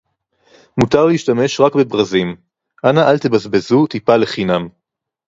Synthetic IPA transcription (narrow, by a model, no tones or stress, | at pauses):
mutaʁleiʃtame̞ʃʁakbebʁazim | ʔanaʔalt̪ebazbe̞zut̪ipale̞χinam